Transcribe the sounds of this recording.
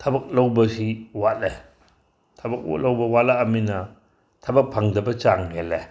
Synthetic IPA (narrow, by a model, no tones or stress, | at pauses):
tʰɐbɐk̚lowbɐsiwatle | tʰɐbɐk̚lawbɐwat̚laɐminɐ | tʰɐbɐk̚pʰaŋdɐbɐt͡ʃaŋɡele